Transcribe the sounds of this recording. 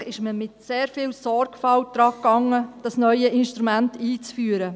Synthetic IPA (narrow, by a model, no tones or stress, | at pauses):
ɪʃməmɪtseːɾfɪːwsɔɾɡ̥fɑwd̪̥ɾɑːkːɑŋːəd̥ɑsnœʏjəʔɪnʃtɾumæntiːt͡sfyːəɾə